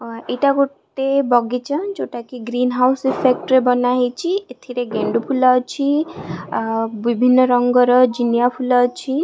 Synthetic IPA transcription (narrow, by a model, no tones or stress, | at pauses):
ejʈaɡuʈebɔɡit͡ʃʰãt͡ʃoʈakiɡɾinɦawsipʰek̚ʈɾebɔnaɦet͡ʃʰiet̪ʰiɾeɡeɳɖupʰulɔt͡ʃʰi | bibʱinːɔɾɔŋɡɔɾɔd͡ʒinjapʰulɔt͡ʃʰi